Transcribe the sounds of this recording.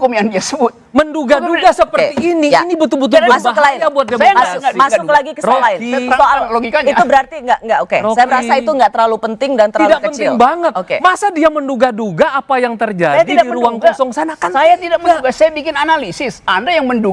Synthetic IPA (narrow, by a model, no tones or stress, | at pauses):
komiandiasəbʊt̪̚mənduɡaduɡasəpərt̪iːnijanibut̪ubut̪̬uasbʊakəlaɪnabuat̪̚əmasʊŋmasʊkːəlaɡikəaoaɪnaaaloɡikaɲiubəɾart̪iŋɡaʔŋɡaʔokeoajaməɾaait̪uŋɡaʔt̪əɾlalupənt̪ɪŋdant̪əɾiadakəənɪlŋbaŋət̪okḛmasadiamənduɡaduɡaːpajaŋt̪ərd͡ʒaajad̪idaiəluaŋkɔsɔŋsanakansajat̪idaʔ̚mənduɡasajabikɪnanalisɪsandajaŋməndu